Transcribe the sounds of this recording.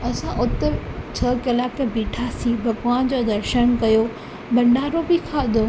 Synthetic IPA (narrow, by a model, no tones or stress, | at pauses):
ɐsãʔʊt̪ət͡ɕʰɐkɐlaːkbiːʈʰasiːbʱɐɡʋaːnd͡ʑoːd̪ɐɾʃənkɐjo | bɐ̃ɳɖaːɾobɪkʰaːd̪o